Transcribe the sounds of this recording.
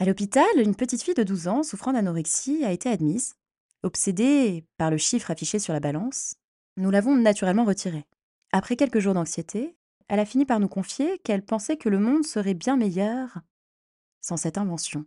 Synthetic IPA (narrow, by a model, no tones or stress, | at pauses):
alɔpit̪alynpət̪it̪fijd̪əd̪uzɑ̃sufχɑ̃t̪anɔʁiksiaet̪ead̪miz | ɔpsed̪epaʁləʃifχafiʃesyʁlabalɑ̃s | nulavɔ̃nat̪yʁɛlmɑ̃ʁət̪ʰiʁe | apχɛkʲɛlkəʒuʁd̪ɑ̃ksjet̪ʰe | ɛlafinipaʁnukɔ̃fjekɛlpɑ̃sɛkələmɔ̃d̪səʁɛbjɛ̃mejœʁ | sɑ̃sɛt̪ɛ̃vɑ̃sjɔ̃